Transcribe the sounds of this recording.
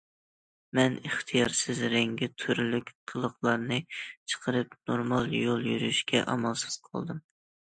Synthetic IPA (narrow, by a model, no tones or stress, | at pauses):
mɛnəχt̪ʰɨjɑɾsɪzɾɛŋɡʲɪt̪ʰyɾlykʲqʰəlˠəχlˠɑɾnɨt͡ʃʰə̥qʰəɾɨpnoɾmɑlˠjolˠjyɾyʃkʲɛ̰ʔɑmɑlˠsɨ̥z̥qʰɑ̰lˠd̪ɨm